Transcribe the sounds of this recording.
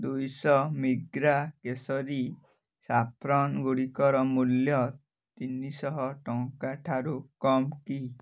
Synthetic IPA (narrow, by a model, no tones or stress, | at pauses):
d̪ujsɔmiɡɾakesɔɾi | sapʰɾɔnɡuɽikɔɾɔmuljɔ | t̪inisɔɦɔʈɔŋkaʈʰaɾukɔmki